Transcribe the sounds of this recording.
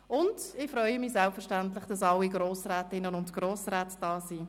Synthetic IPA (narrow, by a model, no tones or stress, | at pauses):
ʊndɪfɾœʏəmiːzɛlpfɛɐɾʃtæntlɪχd̥ɑsɑlːiɡɾoːsrɛːtɪnənʊntɡ̥ɾoːsrɛːtd̥ɑːsi